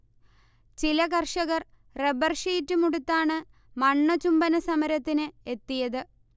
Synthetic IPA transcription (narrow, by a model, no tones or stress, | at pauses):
t͡ɕilɐkɐrʂɐɣɐr | rebɐrʂiːtːɨmuɽut̪ːaːɳɨ | mɐɳːɐt͡ɕumbɐnɐsɐmɐɾɐt̪ːinɨet̪ːijɐðɨ